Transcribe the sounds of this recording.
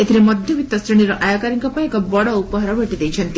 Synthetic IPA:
et̪ʰiɾemɔd̪ʱjɔbit̪ːɔsɾiɽ̃iɾɔʔajɔkaɾiŋkɔpaekɔbɔɽɔupɔɦaɾɔbʱeʈid̪ejt͡ʃʰɔnt̪i

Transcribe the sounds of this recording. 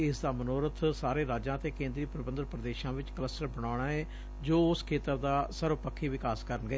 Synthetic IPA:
ɪsd̪aːmənoːɾət̪ʰsaːɾeːɾaːd͡ʒãːt̪eːkẽːnd̪ɾiːpɾəbənd̪əɾpɾəd̪eːʃãːʋɪt͡ʃkələsʈəɾbəɽaːʊɳ̃aːɛː | d͡ʒoːʊskʰeːt̪əɾd̪aːsəɾʊpəkʰːiːʋɪkaːskəɾənɡəeː

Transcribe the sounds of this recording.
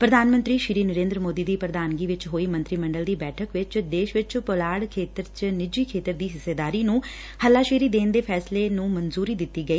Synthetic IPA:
pɾəd̪aːnmə̃nt̪ɾiːʃɪɾiːnəɾẽːnd̪ɾəmoːd̪iːd̪iːpɾəd̪aːnɡiːʋɪt͡ʃɦoːiːmə̃nt̪ɾiːmə̃ɳɖəld̪iːbɛːʈʰəkʋɪt͡ʃd̪eːʃʋɪt͡ʃpolaːɽkʰeːt̪əɾt͡ʃnɪd͡ʒiːkʰeːt̪əɾd̪iːɦɪseːd̪aːɾiːnũː | həlaːʃiːɾiːd̪eːnd̪eːpʰɛːsleːnũːmənzuːɾiːd̪ɪt̪ːiːɡəiː

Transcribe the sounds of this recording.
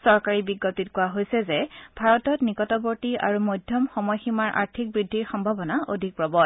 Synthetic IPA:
sɔɹkaɹibiɡːopitkʊwaɦojsɛzɛb̥ʱaɹɔtɔtnikɔtɔboɹtia̰ɹumojdʱjɔmxɔmɔjximaɹʔa̰ɹtʰik̚bɹidʱːiɹxɔmbʱabɔnaʔo̰dʱik̚pɹɔbɔt

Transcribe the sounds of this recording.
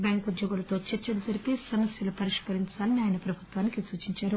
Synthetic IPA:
bʲjaːŋkud̪jɔɡulɐt̪o̞ːt͡ʃet͡ʃːɐlud͡ʒɐɾipesɐmɐsjɐlupɐɾiʂkɐɾiɲt͡ʃaːlɐniaːjɐnɐpɾɐbʱut̪ʋaːnikisuːt͡ʃiɲt͡ʃaːɾu

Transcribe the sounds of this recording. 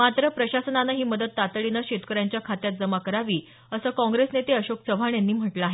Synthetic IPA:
mat̪ɾəpɾəɕasənanaɦiːməd̪ət̪ːat̪ɭinaɕet̪kəɾjaɲt͡ɕjakʰat̪jat̪̚d͡zəmakəɾaʋiː | əsəːkɔ̃ŋɡɾesnet̪eəɕoksəʋʱaɳjanːiːm̤əʈləaɦe

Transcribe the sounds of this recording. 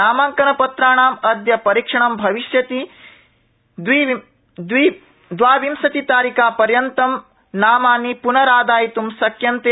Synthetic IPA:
aːmaːŋkɐnɐpɐt̪ɾaːɳaːmɐd̪jɐpɐɾikʂɐɳɐmbʱɐʋiʃjɐt̪i | d̪ʋi | d̪ʋi | d̪ʋaːʋimsɐt̪it̪aːɾikaːpɐɾjɐnt̪ɐm | naːmaːnipunɐɾaːd̪aːjit̪umsɐkjɐnt̪e

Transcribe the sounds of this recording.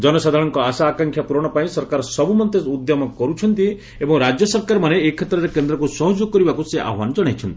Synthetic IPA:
d͡ʒɔnɔsad̪ʱaɽɔŋkɔasaːkaŋkʰjapuɾɔɽ̃ɔpaĩsɔɾkaɾɔsɔbumɔnt̪eud̪jɔmɔkɔɾut͡ʃʰɔnt̪i | ebɔŋɾad͡ʒjɔsɔɾkaɾɔmaneːkʰːet̪ɾɔɾekend̪ɾɔkusɔɦɔd͡ʒokːɔɾibakuseʔa̰ɦwanɔd͡ʒɔɽ̃ajt͡ʃʰɔnt̪ii̥

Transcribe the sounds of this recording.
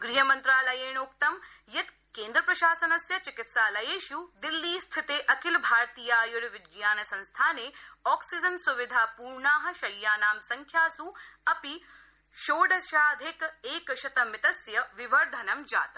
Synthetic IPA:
ɡɾiɦɐmɐnt̪ɾaːlɐjeːɳukt̪ɐm | jɐt̪ | keːnd̪ɾɐpɾɐʃaːsɐnɐsjɐt͡ʃikɪt̪saːlɐjeːʃud̪ilːiːst̪ʰɪt̪eːʔɐkɪlbʱaːɾt̪iːjaːjuɽʋɪd͡ʒjaːnɐsɐ̃nst̪ʰaːneːɔːksid͡ʒɐnsuʋid̪ʱaːpuːɾɳaːɦɐ̆ʃɐjːaːnaːmsɐŋkʰjaːsuɐpi | ʃoːɖɐʃaːd̪ʱekeːkɐʃɐt̪ɐmɪt̪ɐsjɐʋiʋɐɾd̪ʱɐnɐmd͡ʒa̰ːt̪

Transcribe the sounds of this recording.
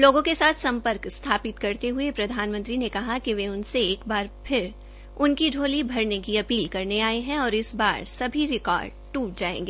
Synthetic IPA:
loːɡõkesaːt̪ʰsɐ̃mpəɾkst̪ʰaːpɪt̪kɐɾt̪eɦʊepɾɐd̪ʱaːnmə̃nt̪ɾinekɐɦakiʋeʊnseeːkbaːɾpʰɪɾ | ʊnkid͡ʒʱoːlibʱɐɾnekiɐpiːlkɐɾneaːeɦɛ̃ɔːɾɪsbaːɾsɐbʱiɾɪkɔ̰ːɾɖ | ʈuːʈ̚d͡ʒaːḛ̃ːŋɡeː

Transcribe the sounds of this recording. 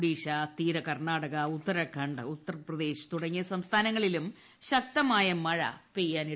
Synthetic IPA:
ɽiːɕat̪iːɾɐkɐrɳaːɽɐɣɐut̪ːɐɾɐkʰɐɳɖut̪ːɐrɐprɐd̪e̞ːɕɨ̥t̪uɽɐŋːijɐsɐmst̪ʰaːnɐŋːɐɭilum | ɕɐk̚t̪ɐmaːjɐmɐɻɐ̰pejːaːni

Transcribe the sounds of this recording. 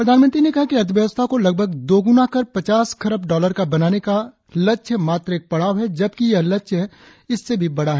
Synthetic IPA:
pɾɐd̪ʱaːnmə̃nt̪ɾinekɐɦakiɐt̪̬ʰʋjɐʋəst̪ʰakolɐɡ̚bʱəɡd̪oːɡʊnakɐɾpɐt͡ʃaːskʰɐɾəpɖɔːləɾkabɐnaːneka | lɐtːʃʰmaːt̪ɾeːk̚pɐɽ̤aːʋɦɛd͡ʒɐb̚kijɐlɐtːʃɦɛ | ɪsːebʱibɐɽ̤aɦɛ

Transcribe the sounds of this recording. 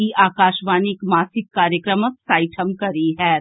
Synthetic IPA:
iʔaːkaːʃʋaːnɪkmaːsɪkːaːɾjəkɾəməksaːɪʈʰəmkɐɾiɦɛː

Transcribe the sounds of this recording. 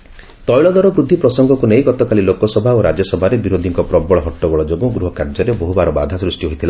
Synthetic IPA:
t̪ɔjɭɔd̪ɔɾɔbɾud̪ʱːipɾɔsɔŋɡɔkuneɦiɡɔt̪ɔkalilokɔsɔbʱaoɾad͡ʒjɔsɔbʱaɾebiɾod̪ʱiŋkɔpɾɔbɔɭɔɦɔʈːɔɡɔɭɔd͡ʒoɡuɡɾuɦɔkaɾd͡ʒɔɾeboɦubaɾɔbad̪ʱasɾusʈiɦojt̪ʰila

